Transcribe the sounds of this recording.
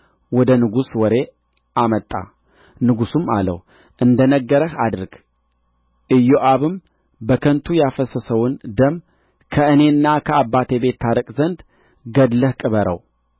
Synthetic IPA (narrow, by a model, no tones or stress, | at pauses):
wɔd̪ənɨɡuswɔɾe̞ | ʔamət̪ʼːa̰ | nɨɡusuma̰lə̰w | ʔɨnd̪ənəɡːəɾəhad̪ɨɾɡ̥ | ʔɨjːoʔaβɨm | bəkʰənt̪ʰujafəsəsəwʊnd̪əmː | kʰəɨne̞ɨnːakʰəabːat̪ʰe̞be̞t̪ʰːaɾəkʼzənd̪ | ɡəd̪ləhkʼɨβəɾə̰w